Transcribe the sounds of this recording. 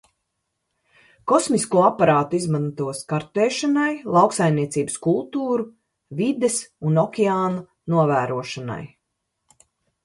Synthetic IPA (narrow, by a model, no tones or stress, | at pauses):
kɔsmiskuɔapːaɾaːt̪izmant̪uɔskaɾt̪ɛːʃanajlˠawksajmniɛt̪siːbə̥skulˠt̪uːɾu | vid̪ɛsunɔkʲɛaːna | nuɔvæːɾuɔʃana̰j